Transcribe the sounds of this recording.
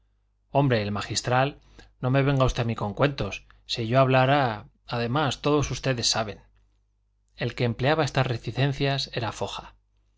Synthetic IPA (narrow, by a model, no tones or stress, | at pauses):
o̞mbɾe̞ːlmaxist̪ɾal | no̞me̞βe̞ŋɡaust̪e̞amiko̞ŋkwe̞nt̪o̞s | siʝo̞aβlaɾa | aðe̞mast̪o̞ðo̞sust̪e̞ðe̞sːaβ̞e̞n | e̞lke̞ːmpleaβae̞st̪azreθiθẽ̞n̟θjase̞ɾafo̞xa